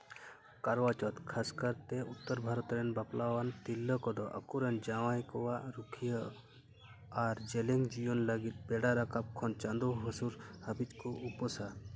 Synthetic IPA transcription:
kɐɾʋat͡ʃɔt̪kʰaskəɾt̪eut̪ːəɾbʱaːɾɔt̪ɾenbaplaʋant̪ilːəkɔd̪ɔʔɐ̰kuɾɐnd͡ʒaʋajkɔwaɾukʰijə | aɾd͡ʒeleŋɡd͡ʒijonləɡit̪̚beɽaɾakʰap̚kʰɔnt͡ʃand̪uɦɐsuɾhɐbit͡ʃkoʔupɔsa

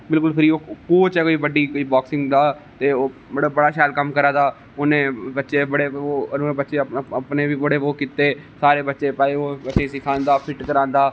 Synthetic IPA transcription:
bɪlkʊlpʰɪɾiːoːkoːt͡ʃɛːkoːiːbəɖiːkoːiːbɔːksɪ̃ŋɡd̪aː | t̪eːoːbəɽbəɽaːʃaːlkəmkəɾaːd̪aː | onẽːbətːʃeːbəɽeːoːənuːebətːʃeːəpnẽːʋiːbəɽeːʋoːkːiːt̪eːsaːɾeːbətːʃeːpɛːleːoːbətːʃẽːsɪkʰãːnd̪aːpʰɪʈkəɾãːnd̪aː

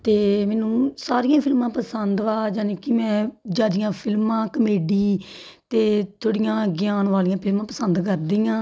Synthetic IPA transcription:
t̪eːmɛ̃ːnũːsaːɾɪjãːpʰɪlmãːpəsənd̪ʋaːd͡ʒaːneːkɪmɛ̃ːd͡ʒaːd̪ɪjãːpʰɪlmãːkəmeːɖiː | t̪eːt̪ʰoːɽɪjãːɡɪjaːnʋaːlijãːpʰɪlmãːpəsənd̪kəɾd̪iːjãː

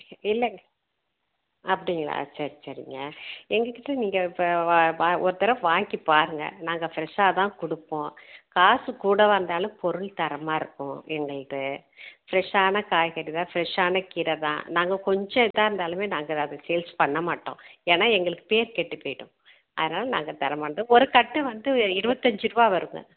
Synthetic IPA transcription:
ɪlːɐŋɡɐ | ɐpːɐɽɪŋɡɐɭa̰ːsɐɾisɐɾɪ̰ŋɡɐɛŋɡɐkɪʈːɐniːŋɡɐɪpːɐaɔɾɯt̪ɪɾɐʋaːŋɡipaːɾɯŋɡɐ̰naːŋɡɐfɪɾɛʂaːt̪ãːkʊɽɯpːõːkaːsɯkuːɽɐʋɐɾnd̪aːlɯ̃mpɔɾɯɭt̪ɐɾɐmaːɪɾɯkːʊ̃ɛŋɡɐɭɯkɯ | fɪɾɛʂaːnɐkaːjɣɐɾiðãːfɪɾɛʂaːnɐkiːɾɐt̪ã̰ːnaːŋɡɐkɔɲd͡ʒɔ̃ɛðaːɪɾɯnd̪aːlɯmeːnaːŋɡɐɐðɐsɛjlspɐɳːɐmaːʈːõ̰ːeːnaːɛŋɡɐɭɯkːɯ̥peːɾkɛʈːɯpːoːjɪɽõ̰ː | ʔɐ̰ðɐnaːlɐna̰ːŋɡɐt̪ɐɾɐmaːɾnd̪ɔɾɯkɐʈːɯʋɐnd̪ɯɪɾɯbɐt̪ːɐɲd͡ʒɯɾɯbaːʋɐɾɯŋɡɐ̰

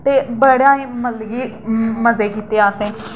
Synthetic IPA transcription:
t̪eːbəɽjãːiːməlɡiːməzeːkiːt̪eːaːsẽː

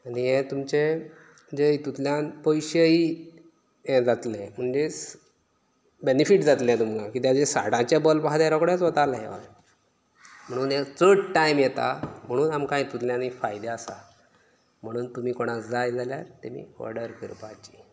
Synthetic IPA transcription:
aniɦɛ̃t̪umt͡ɕe | d͡ʑəit̪ut̪ljãnpɔjɕəi | ɛ̃d͡zat̪lẽm̤əɳd͡ʑe | benifiʈd͡zat̪lẽt̪umɡãkit̪jad͡zesa̰ɽãt͡ɕabɔlbaɦad̪aɾɔkɽjat͡sʋət̪alɦɛ̰ʋa̰ | m̤əɽ̃uːnet͡səʈʈːaimjɛt̪a̰m̤əɽ̃uːnamkãĩt̪ut̪ljãnifajd̪easa̰ | m̤əɽ̃uːnt̪um̤iːkoɽ̃asd͡zajd͡zaljaɾt̪emḭːɔ̰ɾɽəɾkiɾpat͡ɕi̥

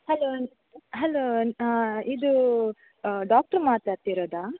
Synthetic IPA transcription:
hɐloː | ɦɐloː | id̪u | ɖaːk̚ʈɐɾmaːt̪aːɽt̪iɾoːd̪aː

